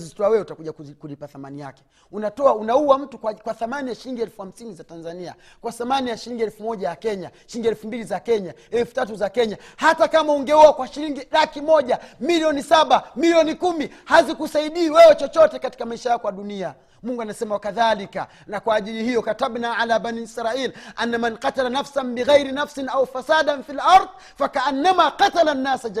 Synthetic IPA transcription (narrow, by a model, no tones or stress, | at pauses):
zzitɔawɛɛutakuʄakkulipaθamanija̰kɛ̥ | unatɔaunauwam̩tukakwaθamanijaʃiɾiŋɡiɛlfuham̩sinizatanzania̰ | kwaθamanijaʃiɾiŋɡiɛlfumɔʄajakɛɲaʃiɾiŋɡiɛlfumbilizakɛɲa | ɛlfu̥tatuzakɛɲahatakamauŋɡɛɔakwaʃiɾiŋɡilakimɔʄamiliɔnisaɓamiliɔnikumihazikusaiɗiːwɛwɛt͡ʃɔt͡ʃɔtɛkati̥kamaiʃajakɔwaɗunia | muŋɡuanasɛmawakaðalika̰ | nakwaːʄilihijɔkataɓnaʕalaːbaniisɾailʔanːamanqatalanafsanbiɣajɾinafsinaufasaɗanfilɑɾð | fakaʔanːamaqatalanːasad͡ʒ